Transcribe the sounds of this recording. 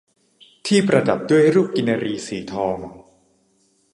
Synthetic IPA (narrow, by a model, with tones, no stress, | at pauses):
t̪ʰiː˥˩pɾa˧da˨˩p̚du˥˩əjɾuː˥˩p̚ki˧nːa˧ɾiː˧siː˩˦t̪ʰɔː˧ŋ